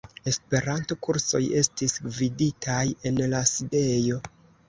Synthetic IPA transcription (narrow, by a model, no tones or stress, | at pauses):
e̞spe̞ɾanto̞kuɾso̞̰je̞stisɡviditʰaje̞nlaside̞jo̞